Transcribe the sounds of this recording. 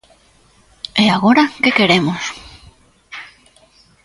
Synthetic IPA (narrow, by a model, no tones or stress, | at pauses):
eaɣoɾɐkekeɾemos